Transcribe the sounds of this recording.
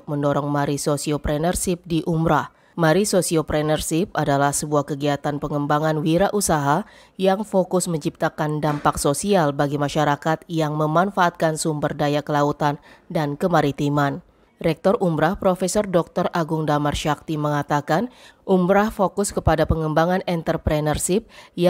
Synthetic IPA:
k̚məndɔɾɔŋmaɾisosiopɾɛnərsip̚diʔumɾah | maɾisosiopɾɛnərsip̚adalahsəbuahkəɡiat̪anpəŋəmbaŋanwiɾaʔusaɦa | jaŋfokʊsməɲt͡ʃip̚t̪akandampaksosialbaɡimaʃaɾakat̪̚jaŋməmanfaːt̪̚kansumbərdajakəlaut̪andankəmaɾit̪iman | ɾɛk̚t̪ɔrʔumbɾahpɾofɛsɔrdɔk̚t̪ɔraɡʊŋdamarʃak̚t̪iməŋat̪akanʔumɾahfokʊskəpadapəŋəmbaŋanɛnt̪ərpɾɛnərsip̚j

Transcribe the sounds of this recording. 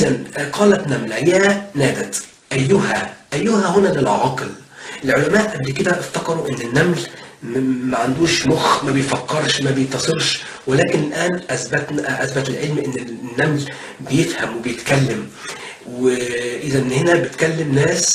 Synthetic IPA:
ʔɪzænqɑːlæt̪næmlæjænæːd̪æt̪ | ʔæjːʊhæʔæjːʊhæhʊnælelʕɑql | ʔelʕolæmæːʔʔæblked̪æʔɪft̪ɑqɑɾˤuʔenːɪnːæml | mæʕand̪uːʃmoxmæbejfɑkːɑɾˤʃmæbejet̪ːɑsˤeɾʃ | welæːkɪnɪlʔæːnʔæsbæt̪nʔæsbæt̪ɪlʕelmʔɪnːɪnːæml | bejefhæmwebejet̪kælːɪm | weʔɪzænːhenæbet̪kælːɪmnæːs

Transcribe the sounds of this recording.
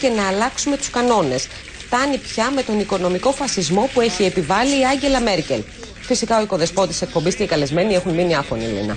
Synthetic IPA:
ce̞nɐːlɐksume̞t̪u̥skɐno̞ne̞s | ft̪ɐnipçɐme̞t̪o̞niko̞no̞miko̞fɐsizmo̞pue̞çie̞pivɐliːɐɲɟe̞lɐme̞ɾce̞l | fisikɐo̞iko̞ðe̞spo̞t̪ise̞k̚po̞mbist̪ikɐle̞zme̞nie̞xunminiɐfo̞nḭlḭnɐ̰

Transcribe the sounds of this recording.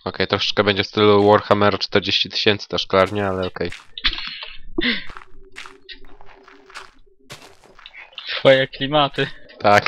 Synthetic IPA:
ɔkɛjt̪ɾɔʂɛ̥t͡ʂkɛbɛɲd͡ʑɛfst̪ɘluwɔɾxamɛɾat͡ʂt̪ɛɾd͡ʑeɕt͡ɕit̪ɘ̥ɕɛnt̪sɘ̥t̪ɛʂkɔlaɾɲɛalɛɔkɛj | t̪fɔjɛklʲimat̪ɘt̪ak

